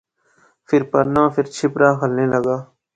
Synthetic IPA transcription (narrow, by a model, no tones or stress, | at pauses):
fʰɪɾpəɾnãːpʰɪɾt͡ʃʰɪpɾaːkʰəlneːləɡaː